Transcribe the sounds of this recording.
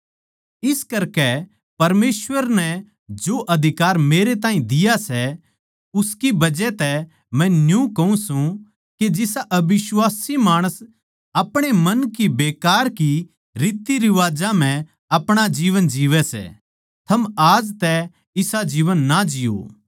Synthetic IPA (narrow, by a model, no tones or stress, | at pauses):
ɪskɐɾkɛ | pɐɾmeːsʋəɾnɛ | d͡ʒoːʔɐd̪ʱɪkaːɾmeːɾet̪̬aːĩd̪ɪjasɛ | ʊskibɐd͡ʒɛt̪ɛ | mɛ̃njũkɐũsũ | ked͡ʒɪsaʔɐbɪʃwaːsimaːɽ̃əs | ɐpɽ̃emɐnkibeːkaːɾki | ɾiːt̪ːiɾɪʋaːd͡ʒam̤ɛ̃ | ɐpɽ̃ad͡ʒiːʋənd͡ʒiːʋɛsɛ̰ | t̪ʰɐmaːd͡ʒt̪ɛ | ɪsad͡ʒiːʋənːad͡ʒɪjo̰ː